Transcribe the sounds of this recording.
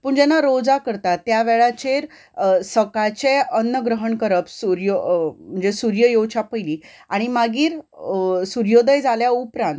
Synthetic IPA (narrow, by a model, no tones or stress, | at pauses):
puɳd͡ʑɛnːaɾod͡zakəɾt̪at̪ːjaʋeɭat͡ɕeɾ | səkajt͡ɕeənːəɡɾəɦəɳkəɾəpsuɾjom̤əɳd͡zesuɾjəjowt͡ɕapəjliː | aɽ̃imaɡiːɾ | suɾjod̪əjd͡zaljaupɾãnt̪